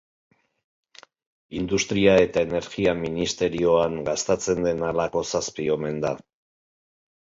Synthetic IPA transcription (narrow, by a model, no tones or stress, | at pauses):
ind̪ust̪ɾiae̞t̪ae̞ne̞ɾɣiaminist̪e̞ɾio̞aŋɡast̪at͡se̞nd̪e̞nalako̞saspio̞me̞nd̪a